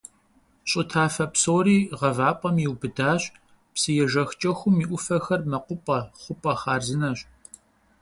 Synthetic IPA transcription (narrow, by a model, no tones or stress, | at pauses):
ɕʼʊtʰaːfɐpsoːɾiːʁɐvaːpʼɐmjiwbɨdaːɕ | psɨjɛʒɐxt͡ʃʼɐxʷʊmiːʔʷʊfɐxɐrmɐqʷʊpʼɐχʷʊpʼɐχaːrzɨnɐɕʼ